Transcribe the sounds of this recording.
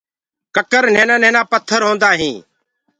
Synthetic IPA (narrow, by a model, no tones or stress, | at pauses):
kəkəɾn̤eːnãːnẽːnãːpət̪ʰːəɾɦõːnd̪aːɦĩː